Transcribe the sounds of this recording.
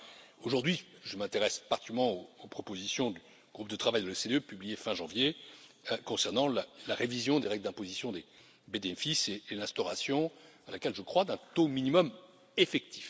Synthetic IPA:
oʒuʁd̪ɥi | ʒəmɛ̃t̪eʁɛspaʁt̪ikmɑ̃oːpχɔpozisjɔ̃d̪y | ɡ̥ʁup̚d̪ət̪χavajd̪əløsed̪eøpyblijefɛ̃ʒɑ̃vje | kɔ̃sɛʁnɑ̃lalaʁevizjɔ̃d̪eʁɛɡld̪ɛ̃pozisjɔ̃d̪e | bed̪eɛfiseːlɛ̃st̪ɔʁasjɔ̃alakʲɛlʒəkχwad̪ɛ̃t̪ominimɔm | efɛk̚t̪ʰi̥f

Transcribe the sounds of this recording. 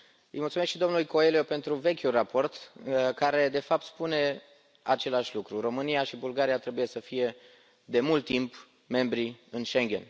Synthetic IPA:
ɨ̰jmult̪sumekʃid̪o̞mnulko̞e̞lijo̞pe̞nt̪ɾuve̞kʲulrapʰo̞rt̪kaɾe̞d̪e̞fap̚t̪spune̞ | at͡ʃe̞laʃʲlukɾuro̞mɨnijaʃibulɡaɾiat̪ɾe̞buje̞səfije̞ | d̪e̞mult̪ːimp | me̞mbɾiɨnʃeŋɡʲe̞̰n

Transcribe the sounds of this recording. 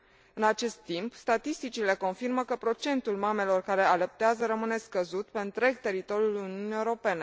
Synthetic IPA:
ɨnat͡ʃe̞st̪ːimpst̪at̪ist̪it͡ʃile̞ko̞nfirməkəpɾo̞t͡ʃe̞nt̪ulmame̞lo̞rkaɾe̞aləp̚t̪eazəɾəmɨne̞skəzut̪pe̞ɨnt̪ɾe̞ɡ̚t̪e̞ɾit̪o̞ɾjuluniuniewɾo̞pe̞ne̞

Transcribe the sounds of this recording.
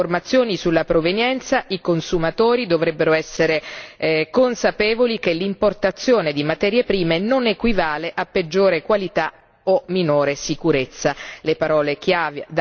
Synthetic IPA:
ormat̪sːjoːnisulːapɾovenjɛnt̪saʔikonsumat̪oːɾid̪ovɾɛbːeɾoɛsːeɾekonsapeːvolikelːimport̪at̪sːjoːned̪imat̪ɛːɾjepɾiːmenonekwivaːleʔapːed͡ʒːoːɾekwalit̪a | ominoːɾesikuɾet̪sːalepaɾɔːlek̟ʰjaːved̪

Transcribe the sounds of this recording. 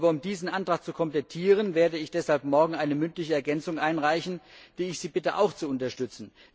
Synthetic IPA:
bɐʊmdiːzn̩ʔantʁ̥aːχt͡sukʰɔmplɛtʰiːʁ̞ənveːɐdəɪçd̥ɛshalp̚mɔɐɡŋ̩ʔaɪnəmʏntlɪçəɛɐɡɛnt͡sʊŋʔaɪnʁaɪçn̩d̥iːɪçz̥iːbɪtəʔa̰ʊxt͡suʊntɐʃtʏt͡sn̩

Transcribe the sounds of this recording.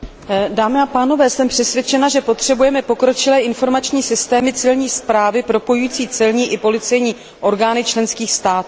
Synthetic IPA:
daːmɪapaːno̞vɛːsɛmpr̝̥ɛsvʲjɛt͡ʃɛnaʒɛpo̞t̪r̝̥ɛbujɛmɛpo̞kɾo̞t͡ʃɪlɛːʔɪnfo̞ɾmat͡ʃɲiːsɪst̪ɛːmɪt͡sɪlɲiːspɾaːvɪpɾo̞po̞jujːt͡siːt͡sɛlɲiːʔɪpo̞lɪt͡sɛjɲiː | ʔo̞ɾɡaːnɪt͡ʃlɛnskiːxst̪aːt̪u

